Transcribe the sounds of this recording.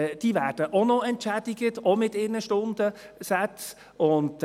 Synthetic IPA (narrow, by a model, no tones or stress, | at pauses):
d̥iːvæːɾd̥əʔonɔɛntʃædɪɡətomɪtɪːnəʃtʊnd̥əsɛt͡s | ʊnd